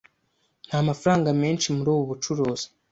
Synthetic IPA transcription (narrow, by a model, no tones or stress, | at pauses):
n̥haːmafɾaːŋɡameːnt͡ʃimuɾuːβoβut͡ʃuɾoːzi̥